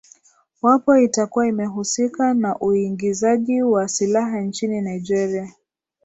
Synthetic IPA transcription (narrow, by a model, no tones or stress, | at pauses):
wapɔitakuwaimɛɦusikanaʔuiŋɡizaʄiwasilaɦant͡ʃininaid͡ʒɛɾia